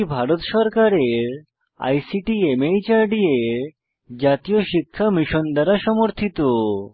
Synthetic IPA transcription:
bʱaɾot̪ʃɔɾkaɾeɾ | a̰jsiʈiemejt͡ɕaɾɖieɾ | d͡ʑat̪ijoʃikʰːamiʃond̪aɾaʃɔmoɾt̪ʰit̪o

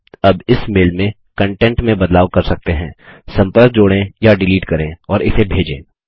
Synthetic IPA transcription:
ɐbɪsmeːlmẽ | kɐ̃ɳʈɛ̃ɳʈmẽbɐd̪laːwkɐɾsɐk̚t̪eɦɛ̰̃ːsɐ̃mpəɾk̚d͡ʒoːɽẽjaɖɪliːʈkɐɾẽɔːɾɪsebʱeːd͡ʒḛ̃ː

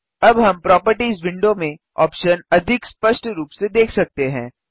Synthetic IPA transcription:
ɐbɦɐmpɾɔːpəɾʈizʋɪ̃ɳɖomẽ | ɔ̰ːpʃənɐd̪ʱɪkspəʃʈɾuːpsed̪eːkʰsɐk̚t̪eɦɛ̰̃ː

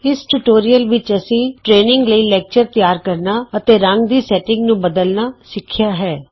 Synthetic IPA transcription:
ɪsʈuːʈoːɾijəlʋɪt͡ʃəsĩːʈɾeːnɪŋɡləiːlɛːk̚t͡ʃəɾt̪jaːɾkəɾnaːət̪eːɾə̃ŋɡd̪iːsɛːʈɪ̃ŋɡnũːbəd̪əlnaːsɪkʰːɪjaːɦɛː

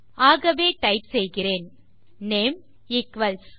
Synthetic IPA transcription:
aːɣɐʋeːʈɐɪpsɛjɣɪreːn | neːm | ɪkʋɐls

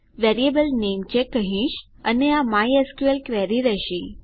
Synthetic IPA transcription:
ʋɛɾiebəlnemt͡ɕekːəɦĩʃ | əneamajeskuelkʋɛɾiɾəʃi

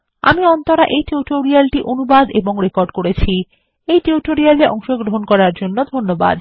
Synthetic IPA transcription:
a̰miɔnt̪oɾaʔejʈeuʈoɾialʈiʔonubad̪eboŋɾekoɾɖkoɾet͡ɕʰi | ejʈeuʈoɾialeʔɔ̰ŋʃoɡɾoɦonkɔɾaɾd͡ʑonːod̪ʱonːoba̰d̪

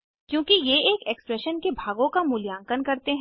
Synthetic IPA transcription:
kjõːkijeeːkɛkspɾɛʃənkebʱaːɡõkamʊljãːŋkənkɐɾt̪eɦ

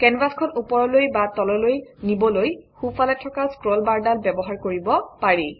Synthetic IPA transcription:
kɛnbaskʰɔnupɔɹɔlojbatɔlɔlojnibɔlojxufalatʰɔkaskɹɔlbaɹdalbɛbɔɦaɹkoɹibɔpaɹi

